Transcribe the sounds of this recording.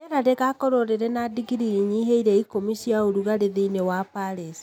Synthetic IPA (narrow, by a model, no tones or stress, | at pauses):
eɾaɾeɣakɔɾoɾeɾɛnadiɡiɾiiɲiɦeiɾɛikomisiaoɾuɣaɾeðeinewapaɾesi̥